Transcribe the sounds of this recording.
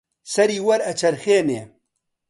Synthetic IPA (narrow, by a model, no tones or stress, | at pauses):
sɐɾiːwɐɾɐt͡ʃʰɐɾxeːneː